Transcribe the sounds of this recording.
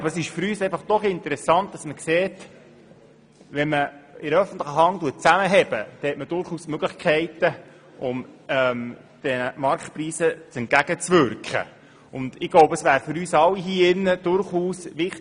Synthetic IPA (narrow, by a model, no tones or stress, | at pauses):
ɑbəɾəsɪʃfyɾyːsɛɪfɑχd̥ɔχɪntəɾɛsɑnt̚d̥ɑsməkseːt | ʋɛnməɪɾəœfən̩t̪ləχəɦɑŋt̪uət̚t͡sæməɦɛbəd̪̥ɛhɛtməd̥ʊɾχuːsmøɡ̥ləχkʰχɛɪt̪ə | ʔʊmɛm | d̪̥ɛnəmɑɾktpriːsət͡sɛnt̚ɡ̥æɡ̥ət͡sʋʏɾkχə̰ | ʊnd̪̥ɪɡ̥loʊbəəsʋæːɾfʏɾyːsɑlːiɦiːɪnːəd̥̪ʊɾχuːsʋɪχt